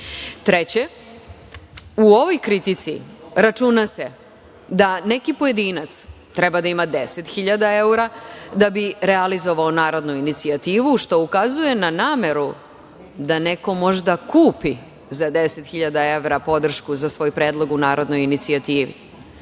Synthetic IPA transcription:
t̪ɾet͡ɕe̞ | uo̞ʋo̞jkɾit̪it̪sḭɾat͡ʃunase̞ | d̪ane̞kipo̞je̞d̪iːnat̪s | t̪ɾebad̪aimad̪eset̪xiʎad̪ae̞uɾad̪abiɾealizo̞ʋaonaːɾo̞d̪nuinit̪siat̪iːʋuʃt̪o̞ukazuje̞nanaːme̞ɾu | d̪ane̞ko̞mo̞ʒd̪akuːpi | zad̪e̞set̪xiʎad̪ae̞ʋɾapo̞d̪r̩ʃkuzasʋo̞jpɾe̞ːd̪lˠo̞ɡunaːɾo̞d̪no̞jinit̪siat̪iːʋḭ

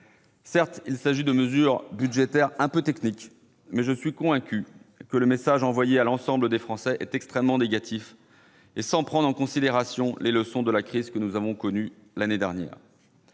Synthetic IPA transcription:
sɛʁt̪ilsaʒid̪əməzyʁbyd̪ʒet̪ɛʁɛ̃pøt̪ɛknik | mɛʒəsɥikɔ̃vɛ̃kʲykələmesaʒɑ̃vwajealɑ̃sɑ̃bləd̪efχɑ̃sɛʔɛt̪ɛkst̪χɛmːɑ̃neɡat̪ʰif | esɑ̃pχɑ̃d̪ʁɑ̃kɔ̃sid̪eʁasjɔ̃leləsɔ̃d̪əlakχizkənuzavɔ̃kɔny | laned̪ɛʁnjɛ̰ːʁ

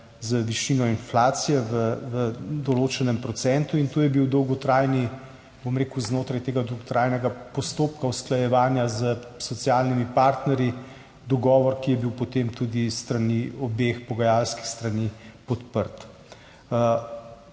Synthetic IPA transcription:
zəʋiʃiːnɔinflaːsijɛʋəʋəd̪ɔloːt͡ʃɛnɛmpɾɔt̪sɛnt̪uint̪oːjɛbiwd̪ɔwɡɔt̪ɾaːjni | bomɾeːkuznoːt̪ɾajt̪eːɡad̪ɔwɡɔt̪ɾaːjnɛɡapɔst̪oːpkausklajɛʋaːnjazəsɔt̪siaːlnimipaːɾt̪nɛɾji | d̪ɔɡɔːʋɔɾkijɛbiwpɔt̪emt̪ud̪ist̪ɾaniɔbexpɔɡajalski̥xst̪ɾanipɔt̪pəɾt̪ː

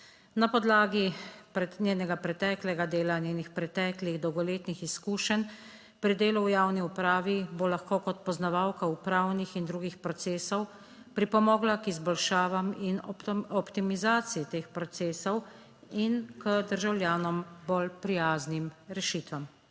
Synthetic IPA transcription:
napɔd̪laːɡipɾɛnʲeːnɛɡapɾɛt̪ɛːklɛɡad̪eːlanjeːnixpɾɛt̪ɛːkliɣd̪ɔwɡɔleːt̪nixiskuːʃən | pɾid̪eːluwjaːwniupɾaːʋibolaxkoːkɔt̪pɔznaʋaːwkaupɾaːwnixind̪ɾuːɡixpɾɔt̪seːsɔw | pɾipɔmɔːɡlakizbɔlʃaːʋaminɔpt̪imizaːt̪siit̪eːxpɾɔt̪seːsɔw | inkəd̪əɾʒawlʲjaːnɔmbolpɾijaːznimɾɛʃit̪ʋam

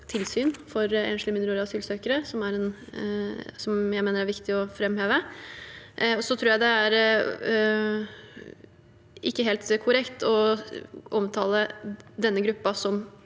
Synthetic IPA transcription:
t̪ʰɪlsyːnfɔɾḛːnʂlɪmɪnəɾuːɾɑsyːlsøːkəɾəsɔmæɾɛn | sɔmjæɪmeːnəɾæɾʋɪkt̪ɪɔfɾɛmheːʋə | ɔsɔt̪ʰɾuːjæɪd̪ɛæɾ | ɪkːəɦeːlt̪kʰʊɾɛkt̪ɔ | ʔɔmt̪ʰɑːləd̪ɛnːəɡɾʉpːɑsɔm

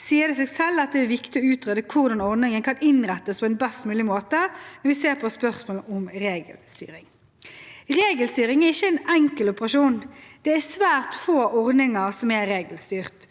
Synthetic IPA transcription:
siːəʁd̪ɛseːɡsɛlːɑt̪̚d̪ɛːʋɪkt̪ɪɔʉːt̪ʁøːd̪əkʰʊʁd̪ɑnɔʁd̪nɪŋənkʰɑnɪnʁɛt̪ːəspʰɔːɛnbɛst̪mʉːlɪmoːt̪əɛʋɪseːʁpʰɔspœʁsmoːlɔmʁeːɡə̰lst̪y̰ːɾɪŋ | ʁeːɡəlst̪yːɾɪŋæʁɪçːəɛnɛŋkəlɔpəʁɑʃuːnd̪̥ɛæsʋæːʁt̪foːʔɔʁd̪ɪŋɑʁsɔmɛɾeːɡəlst̪yːʁt̪

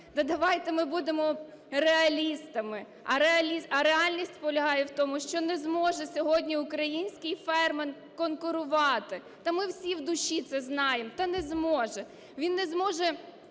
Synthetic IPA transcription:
d̪ɐd̪ɐʋɑjt̪ɪmɪbud̪emɔ | reɐlʲist̪ɐmɪ | ɐɾeɐlʲiɐɾeɑlʲnʲisʲtʲpɔlʲɐɦɑjɛwt̪ɔmʊʃt͡ʃɔnɛzmɔʒɛsʲɔɦɔdʲnʲiʊkɾɐjinʲsʲkɪjfɛrmen | kɔnkʊɾʊʋɑt̪ɪ | t̪ɐmɪwsʲiwd̪ʊʃit̪sɛznɑjemt̪ɐnɛzmɔʒɛ | ʋʲinːɛzmɔʒɛ

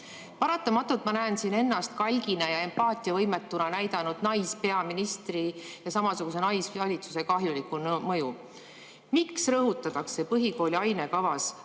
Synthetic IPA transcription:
pɑɾɑt̪ːˑɑmɑt̪ːˑult̪mɑnæensine̞nːɑst̪̚kɑlʲɡinɑjɑe̞mpɑːt̪ʲˑiɑvɤjmet̪ːˑunɑnæjd̪ɑnud̪̥nɑjspe̞ɑminist̪rijɑsɑmɑsuɡ̥us̬e̞nɑjsɑlʲit̪su̥se̞kɑɦjulikunmɤju | miksrɤɦut̪ːˑɑt̪ɑkse̞pɤɦiko̞ːlʲiɑjne̞kɑvɑs

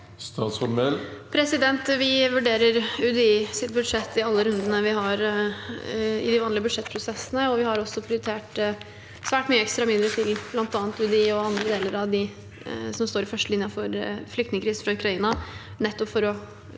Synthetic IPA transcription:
st̪ɑ̰ːt̪sɔlmɛlpʰɾɛsɪd̪ɛnt̪ʋɪʋʉɖeːɾəɾʉd̪ɛiːsɪt̪̚bʉd̪ʂɛt̪ːɪɑlːəɾʉnd̪ənəʋɪɦɑɾ | ɪ̰d̪ɪʋɑːnlɪəbʉd̪ʂɛt̪ːpʰɾʊsɛsːənəɔʋɪhɑɾɔsːɔpʰɾɪʊɾɪt̪ʰeːʈ | sʋæːʈmyːəɛkst̪ɾɑmɪd̪ɾəʈʰɪlblɑnt̪ɑːnt̪ʉd̪ɛiːɔɑnd̪ɾəd̪eːləɾɑʋd̪ɪ | sɔmst̪oːɾɪfœʂʈəlɪnjɑfɔɾflʏk̚t̪nɪŋəkɾiːsn̩fɾɑʉkɾɑiːnɑ | nɛt̪ːɔpfɔɾɔ

